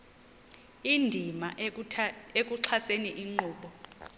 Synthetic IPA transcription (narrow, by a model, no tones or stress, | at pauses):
indʱima | ek̬ʼuǀʰaseniʔiŋ͡ǃuːɓɔ